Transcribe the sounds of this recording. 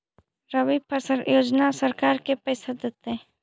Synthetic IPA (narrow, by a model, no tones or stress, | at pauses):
ɾəʋipəsəɾjoːd͡ʒnasəɾkaːɾkepɛːsəd̪et̪ɛ